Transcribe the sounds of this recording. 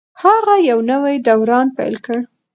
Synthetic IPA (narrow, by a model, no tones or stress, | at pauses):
haɣajawnəwajd̪awɾɑnpa̰jlkəɽ